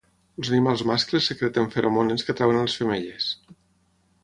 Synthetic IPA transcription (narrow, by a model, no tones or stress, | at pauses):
lˠzənimalˠzmasklesːəkɾɛt̪eɱfeɾʔomoneskət̪ɾawenalˠesfemeʎes